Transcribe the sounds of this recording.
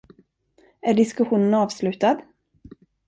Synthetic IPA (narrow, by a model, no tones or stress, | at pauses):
æɖɪskɵɧuːnənɑːvslʉ̟ːt̪ad̪